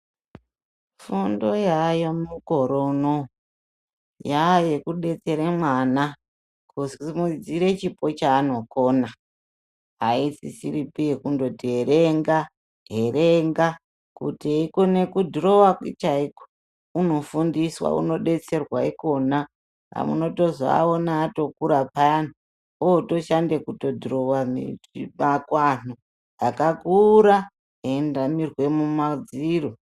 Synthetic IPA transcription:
fundo̞jajomukoɾono | jajekuɗe̞t͡se̞ɾemwana | kusmud͡ziɾe̞t͡ʃipo̞t͡ʃaːno̞ko̞ːna | aisisiɾipijekundo̞tieɾeŋɡa | ɦe̞reŋɡa | kṵtiikone̞kudiɾo̞wait͡ʃaiko̥ | uno̞fundiswa̰ṵno̞ɗe̞t͡se̞rwaiko̞na | a̰muno̞to̞zaa̰onaːto̞kuɾapaanu | ooto̞ʃandekuto̞diro̞wammakwan̥u | akakuɾa | ɦendamirwe̞mumad͡ziro

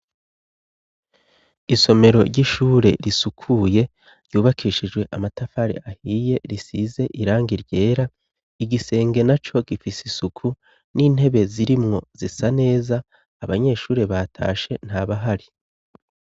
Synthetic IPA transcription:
iso̞me̞ɾo̞̰ɾɟiʃuːɾe̞̰ɾisukʰuje̞ | ɾɟ̥uːβakʰiːʃid͡ʒɡwe̞ʔamatafaɾḭahije̞ɾisize̞ʔiɾaːŋɡiɾɟe̞ːɾa | iɡise̞ːŋɡe̞nat͡ʃo̞ɡifisisukʰu | niːn̥he̞βe̞ziɾimŋo̞z̥isane̞ːzaː | βaɲe̞ːʃuːɾe̞βatʰa̰ːʃe̞n̥haβaɦaɾi

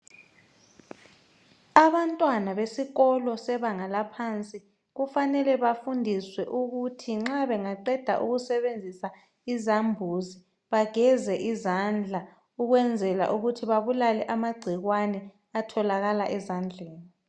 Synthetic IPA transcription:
aβantʼwanaβesiɣɔlɔsɛβaŋalapʰant͡sʼi | ɣufanɛlɛβafundʱiswɛʔuɣutʰiŋ͡ǁaβɛŋaǃɛd̥ʱa̰ʔṵɣusɛβend͡zʱisa | izambʱuːzi | βaɡ̥ʱɛzɛʔizand͡ɮʱa | uɣwɛnd͡zʱɛla̰ʔuɣutʰiβaβulalɛʔamaɡ͡ǀʱiɣwanɛ | atʰɔlaɣalaʔɛzand͡ɮʱeːni

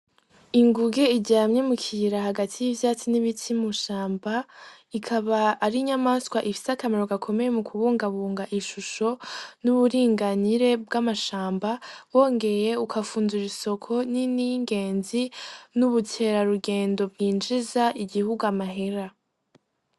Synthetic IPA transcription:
iŋɡuɡe̞iɟaːmɲe̞mukʰiɾahaɡatʰijivjaːt͡siniβitʰimuʃaːmba | ikʰaβaːɾiɲamaskwaʔifi̥sakameɾo̞ɡakʰo̞me̞je̞mukʰuβuːŋɡaβuːŋɡaʔiʃuʃo̞nuβuɾiːŋɡaniɾe̞bɡamaʃaːmbawo̞ːŋɡe̞je̞ukʰafuːnzuɾiso̞kʰo̞niniŋɡe̞ːnzinuβutʰe̞ɾaɾuɡeːndo̞b̚ɡiːnd͡ʒizaʔiɡihuɡuamaɦe̞ɾa

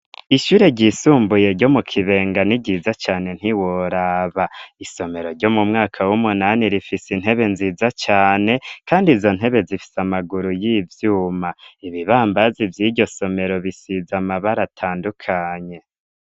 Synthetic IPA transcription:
iʃuːɾe̞ɟisuːmbuje̞ɾɟo̞mukʰiβe̞ːŋɡaniɟiːzat͡ʃaːne̞n̥iwoɾaβaiso̞me̞ɾo̞ɾɟo̞mumŋaːkʰawumunaniɾifisin̥ɦe̞βe̞nziːzat͡ʃaːne̞kaːndizo̞n̥ɦe̞βe̞zifi̥samaɡuɾujiːvjuːmaiβiβaːmbazivjiːɾɟo̞so̞me̞ɾo̞βisizamaβaɾatʰaːndukʰaɲe̞

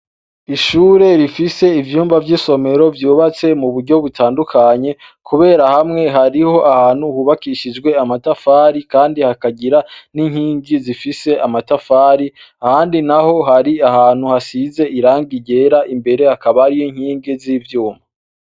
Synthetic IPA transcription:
iʃuːɾe̞ɾifise̞ivjuːmvavjiːso̞me̞ɾo̞vjuːβat͡se̞muβuɾɟo̞βutʰaːndukʰaɲe̞ | kʰuβe̞ːɾahamŋe̞ɦaɾiho̞ʔahaːn̥huhuːβakiʃid͡ʒɡwe̞amatafaːɾikaːndihakaɟiɾaniŋ̥hiːŋɡizifise̞ʔamatafaːɾi | ahaːndinaho̞ɦaɾiahaːn̥huhasize̞ʔiɾaːŋɡiɟe̞ɾaʔimbe̞ɾe̞hakaβaɾijiŋ̥hiːŋɡiziːvjuːmba

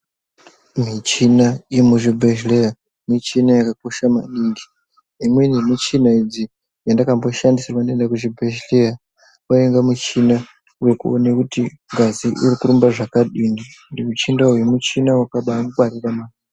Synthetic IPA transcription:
mit͡ʃinaimuʐibʱeʒleja | mit͡ʃinajakak̚o̞ʃama̰ɗiːŋɡi | imwenimit͡ʃinaid͡zi | jandakambo̞ʃandisirapandendakuʐibʱeʒleja | waeŋɡamut͡ʃina | ujekuonekuti | ŋɡaziʔiɾikuɾumbaʐakaɗinindiut͡ʃindaujemut͡ʃinawakaɓamukwariramaːni

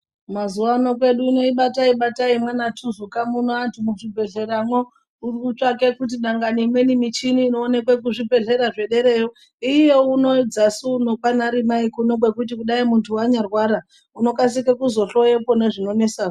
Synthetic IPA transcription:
mazuwano̞kwe̞ɗuino̞iɓataiɓataimwenatʰuzukamunoantʰumuʐibʱe̞ɮe̞ɾamwo | urikut͡ʂakekut̬iɗaŋɡaniimwe̞nimit͡ʃiniːno̞ːnekwek̬uʐibʱe̞ɮe̞ɾaʐe̞ɗe̞ɾe̞jo | ije̞unod͡zasunokwanaɾimaikunokwe̞kut̬ikuɗaimuntʰuwaɲarwaɾa | uno̞kas̬ikekuzo̞ɬo̞je̞pone̞ʐino̞ne̞saːʐo

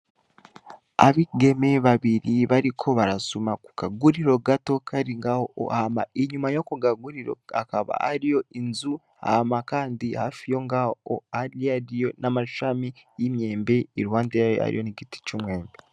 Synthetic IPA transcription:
a̰βiɡe̞meβaβiɾiβaɾikʰo̞βaɾasumaku̥kaɡuɾiɾo̞ɡato̞kʰaɾiŋɡahoo̰ama̰iɲumajokuɡaɡuɾiɾo̰akaβa̰haɾijo̞inzu | a̰makaːndihafijo̞ŋɡao̰aɾiaɾijo̞namaʃamijimje̞ːmbe̞iɾuwaːndejaj̰a̰ɾḭjo̞niɡiti̥t͡ʃumwe̞ːmbe

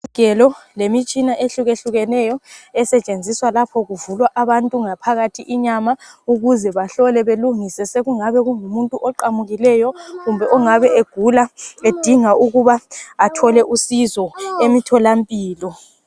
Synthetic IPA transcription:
ɡ̥ʱɛlɔlemit͡ʃʼinaʔeɬuɣeɬuɣɛnɛjɔɛsɛt͡ʃʼend͡zʱiswalapʰɔɣuvulwaʔaβantʼuŋapʰaɣatʰiʔiɲamauɣuzɛβaɬɔlɛβeluŋisɛseɣuŋaβɛɣuŋumuntʼuʔɔǃamuɣilɛjɔɣumbʱɛʔɔŋaβɛʔeɡ̥ʱulaed̥ʱiŋaʔuɣuβaːtʰɔlɛʔusizɔemitʰɔlampʼiːlɔ

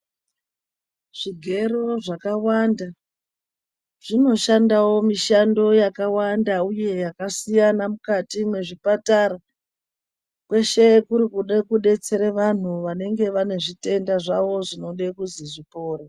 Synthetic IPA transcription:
ʐ̥iɡʱe̞ɾo̞ʐakawanda | ʐ̥ino̞ʃandawo̞miʃando̞jakawandauje̞jakasijanamukatimwe̞ʐipataɾa | kwe̞ʃe̞kuɾikuɗekuɗe̞t͡se̞ɾeʋan̤uʋane̞ŋɡe̞ʋane̞ʐite̞ndaʐaʋo̞ʐino̞ɗekuziʐipo̞ːɾe

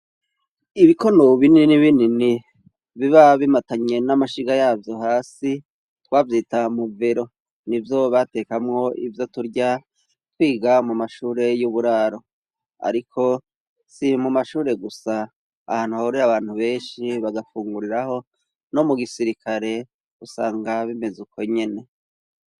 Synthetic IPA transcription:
iβikʰo̞noβininiβinini | βiβaβimataɲe̞namaʃiɡajaːvjo̞haːsi | twavjitamuveɾo̞ | nivjo̞βate̞ːkamŋo̞ʔḭvjo̞tuɾɟa | twiːɡamumaʃuːɾe̞juβuɾaːɾo̞ | a̰ɾikʰo̞ | simumaʃuːɾe̞ɡusa̰ː | haːnhuhauɾiaβaːn̥huβe̞ːnʃiβaɡafuːŋɡuɾiɾaho̞ | no̞muɡisiɾikʰaɾe̞ | usaːŋɡaβime̞zuko̞ɲe̞ne̞

